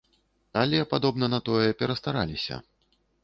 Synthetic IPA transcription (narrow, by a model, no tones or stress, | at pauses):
alʲɛpad̪ɔbnɐnɐt̪ɔjɛpʲɛɾɐst̪aɾa̰lʲisʲɐ̰